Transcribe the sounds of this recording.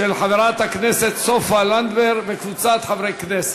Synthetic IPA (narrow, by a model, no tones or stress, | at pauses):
elħaveʁat̪hakneset̪sofaland̪beʁvekvut͡sat̪ħavʁejknese̥